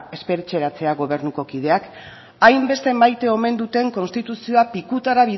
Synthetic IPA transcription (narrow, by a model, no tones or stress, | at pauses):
e̞spe̞ɾet͡se̞ɾat͡se̞aɣo̞β̞e̞ɾnuko̞kið̞e̞ak | ajmbe̞st̪e̞majt̪e̞o̞me̞nd̪ut̪e̞ŋko̞nst̪it̪usioapikut̪aɾaβ̞ið